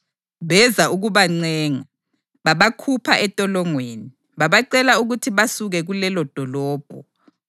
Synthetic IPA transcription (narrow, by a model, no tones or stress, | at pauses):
βɛzaʔuɣuβaŋ͡ǀɛːŋa | βaβakʰupʰaʔɛtʼɔlɔŋweːni | βaβaǀɛlauɣutʰiβasuɣɛɣulɛlɔd̥ʱɔlɔːb̥ʱɔ